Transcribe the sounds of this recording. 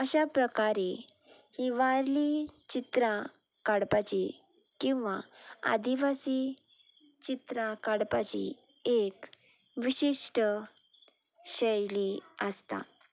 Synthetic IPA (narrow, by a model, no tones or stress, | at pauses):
əɕapɾəkaɾe | hiʋaɾlit͡ɕit̪ɾã | kaɽpat͡ɕi | kĩw̃ʋaa̰d̪iʋasiː | t͡ɕit̪ɾãkaɽpat͡ɕḭ | ek | ʋiɕiʂʈə | ɕəjliəst̪a̰